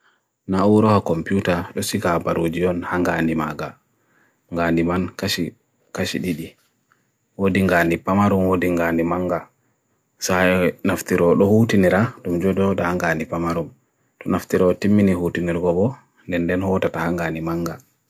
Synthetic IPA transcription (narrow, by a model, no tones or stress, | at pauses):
nauwɾɔhakɔmpiutaɗɔsikabaɾod͡ʒiɔnhaŋɡaːndimaɡa | ŋɡaːndimankai | kaʃḭɗiɗi | wodiŋɡandipamaɾumwodiŋɡandimaŋɡa | sajnaftiɾɔɗɔhutiniɾaɗumd͡ʒɔdɔɗɔhaŋɡandipamaɾum | tɔnaftiɾɔtimːinihutiniɾɡɔbɔ | ndɛndɛnhɔtatahaŋɡaːndimaŋɡa